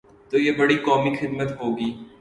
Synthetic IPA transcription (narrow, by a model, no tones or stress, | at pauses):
t̪oːjebɐɽikɔːmixɪd̪mət̪ɦoːɡiː